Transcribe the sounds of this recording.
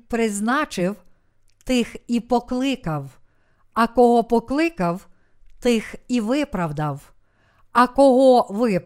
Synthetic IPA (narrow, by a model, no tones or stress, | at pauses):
pɾɪznɑt͡ʃɪw | t̪ɪxipɔklˠɪkɐw | ɐkɔɦɔpɔklˠɪkɐw | t̪ɪxiʋɪpɾɐwd̪ɐw | ɐkɔɦɔʋɪp